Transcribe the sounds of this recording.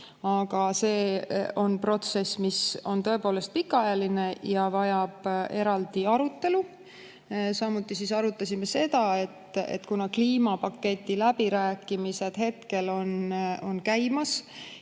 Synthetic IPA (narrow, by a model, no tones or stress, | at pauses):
ɑɡ̥ɑse̞ːo̞npro̞t̪se̞sːmiso̞nt̪ɤ̞e̞po̞ːle̞st̪̚pikːˑɑɑjɑline̞jɑvɑjɑb̥e̞ɾɑld̪iɑɾut̪ːe̞lu | sɑmut̪ːˑisisɑɾut̪ːˑɑsʲimese̞d̪̥ɑe̞t̪ːḛt̪ːkunɑkliːmɑpɑkːe̞t̪ʲːˑilæbiɾæːkːˑimise̞d̪̥ɦe̞t̪ke̞lo̞no̞nkæjmɑs